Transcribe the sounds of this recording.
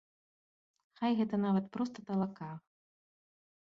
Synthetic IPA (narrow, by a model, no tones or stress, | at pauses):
xajɣɛt̪ɐnavɐt̪pɾɔst̪ɐt̪ɐlˠaka